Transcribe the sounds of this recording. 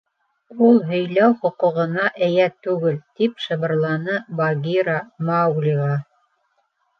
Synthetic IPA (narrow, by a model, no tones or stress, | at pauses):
ulˠɦɵ̆jlæwχŏqŭʁɤ̆nɑʔɘ̆jæt̪ʉɡɘlt̪ipʃɤ̆βɤ̆ɾlˠɑnɤbɑɡʲiɾamɑwɡlʲiʁɑ